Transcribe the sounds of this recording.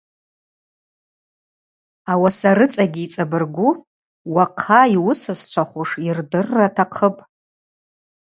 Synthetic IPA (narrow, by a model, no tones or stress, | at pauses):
awasaɾɨt͡sʼaɡʲiːt͡sʼabɨrɡʷu | waqʰaiwʊsast͡ʃʷʰaχʷʊʂirdɨrːatʰaqʰəpʼ